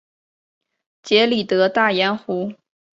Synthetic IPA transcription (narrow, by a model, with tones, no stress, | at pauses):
t͡ɕjɛ˧˥li˨˩t̪ɤ˧˥t̪a˥˩ja˥nxu˧˥